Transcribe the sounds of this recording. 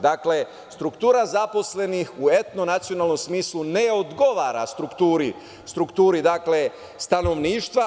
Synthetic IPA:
d̪akle̞ | st̪ɾukt̪uːɾazapo̞sle̞nixue̞t̪no̞nat̪sijo̞naːlˠno̞msmiːsluneo̞d̪ɡo̞ʋaːɾa̰st̪ɾukt̪uːɾi | st̪ɾukt̪uːɾid̪akle̞ | st̪ano̞ʋniːʃt̪ʋa

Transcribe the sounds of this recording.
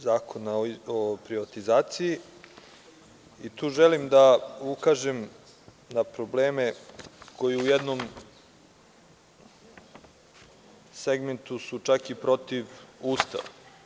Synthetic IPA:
zaːkʰo̞naopɾiʋat̪izaːt̪siji | it̪uːʒelimd̪aukaʒem | napɾo̞bleːme̞kʰo̞jiujed̪nom | seɡment̪usut͡ʃakipɾo̞t̪iʋuːst̪a̰ʋa

